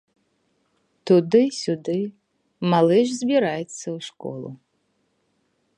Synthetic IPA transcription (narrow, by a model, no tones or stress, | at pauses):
t̪ʊd̪ɪsʲud̪ɪ | malˠɛʒzʲbʲiɾajɛt̪sʲːɐwʂkɔ̰lˠʊ̰